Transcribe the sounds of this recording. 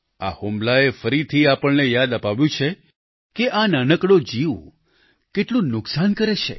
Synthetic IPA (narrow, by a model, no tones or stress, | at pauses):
a̰homlaefəɾit̪ʰiapəɭnejad̪əpaʋjũt͡ʃʰe | keʔananəkɽod͡ʒiʋ | keʈlũnʊksankəɾet͡ʃʰḛ